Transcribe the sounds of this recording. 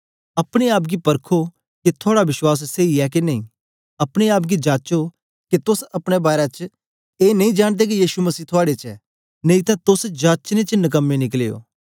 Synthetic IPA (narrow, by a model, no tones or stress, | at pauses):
ɐpɽ̃eaːp̬ɡipɐɾkʰo | ket̪ʰoːɽaʋɪʃwaːs̬seːiɛkenɐḭ̃ | ɐpɽ̃eaːp̬̚ɡid͡ʒaːt͡ʃo | ket̪ʊsɐpɽ̃ebaːɾat͡ʃ | eːnɐĩd͡ʒaːɽ̃d̪ek̬ijiːʃumɐsiːt̪ʰʊaːɽet͡ʃɛ | nɐ̃ĩt̪ãt̪ʊsd͡ʒaːt͡ʃnẽt͡ʃnɐk̬əmːẽnɪkleːo̰ː